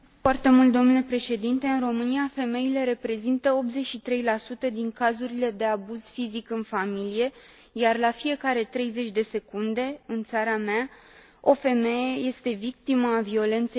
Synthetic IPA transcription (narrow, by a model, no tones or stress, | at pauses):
foart̪e̞mult̪d̪o̞mnule̞pɾe̞ʃe̞d̪int̪e̞ɨnro̞mɨnijafe̞me̞ile̞ɾe̞pɾe̞zint̪əo̞p̪ze̞t͡ʃʲʃit̪ɾe̞jlasut̪əd̪iŋkazuɾile̞d̪e̞abuz̥fizikɨnfamilije̞ | jarlafije̞kaɾe̞t̪ɾe̞jze̞t͡ʃʲd̪e̞se̞kund̪e̞ɨnt̪saɾama | o̞fe̞me̞jeje̞st̪e̞vik̚t̪iməːvio̞le̞nt̪se